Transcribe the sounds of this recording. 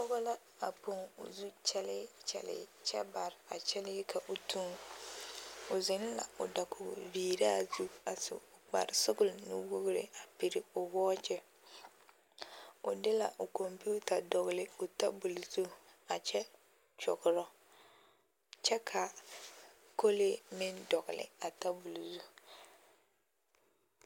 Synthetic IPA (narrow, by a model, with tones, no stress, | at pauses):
pɔ˦ɣɔ˦la˦ | a˨po˨ŋʊ̰˨zu˦t͡ʃɛ˦lɪ˦t͡ʃɛ̰˨lɪ̰˨˦t͡ʃɛ˦ba˨ɾɪ˨a˨t͡ʃɛ˦lɪ˦ɪ˦kʰa˨ʔʊ˨tʰu˦ŋ | ʊ˨zɪ˦n˦la̰˨ʊ̰˨da˨kʊ̰˨viː˨ɾaː˦˨zu˦a˨sɪ̰˨ʊ˨k͡pa̰˨ɾɪ˨sʊ˦ɡʊ˦˨lnɪ̰˦wʊ˦ɡʊ˦ɾɪ̰˨a˨pi˨ɾɪ˨ʊ˨wɔː˦t͡ʃɛ˦ | ʊ̰˨dɪ˦la˨ʔʊ˨ko˨mpu˦ta˨dɔ˨ɣɪ˨lɪ˨ʊ˨ta˦bu˨lzu˦a˨t͡ʃɛ˦ | t͡ʃɔ̰˨ɣʊ˨ɾɔ˦ | t͡ʃɛ˦kʰa˨ | ko˦lɪ˦mɪ˦ndɔ˨ɣɪ˨lɪ̰˨a˨ta˦bu˨lzu˦